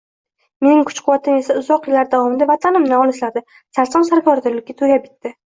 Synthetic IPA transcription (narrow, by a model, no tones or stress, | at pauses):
me̞nɪŋkʰʊ̥t͡ʃqʰʊwvat̪ʰɪme̞saʊzɒqjɪlːaɾd̪avɒmɪnd̪avat̪ʰanɪmnɪɒlɪʃlaɾd̪a | saɾsɒmsaɾkʰɒɾd̪ɪɾlɪkʲːat̪ʰojap̚ɡʲɪt̪ːɪ